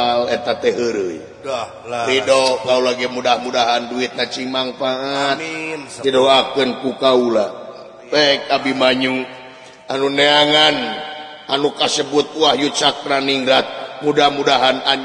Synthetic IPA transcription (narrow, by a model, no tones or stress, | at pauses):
lɛt̪at̪ɛɦəɾəj | lidokaulaɡɛmudahmudaɦanduit̪̚nat͡ʃimaŋfaat̪̚didoakənkukaula | pɛik̚abimaɲu | anuneaŋan | anukasəbut̪̚uahjut͡ʃakɾaniŋɡɾat̪̚mudahmudaɦana